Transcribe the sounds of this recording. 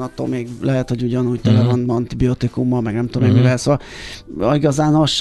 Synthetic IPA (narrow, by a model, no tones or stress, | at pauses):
nɒt̪ːo̰ːlmeːɡlʔɛɦɛt̪ho̞ɟuɟɒnuːɟt̪ɛlɛvɒnɒnt̪ibiot̪ikumːɒlmɛɡnɛmt̪omemːivɛlsoːvɒl | iɡɒzaːnoʃ